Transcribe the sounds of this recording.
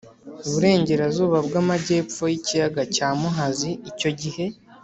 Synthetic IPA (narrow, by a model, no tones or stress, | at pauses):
uβuɾe̞ːɲɟe̞ɾazuːβabɡamaɟe̞ːpp͡ffo̞jicijaɡacaːmuɦaziːco̞ɟihe̞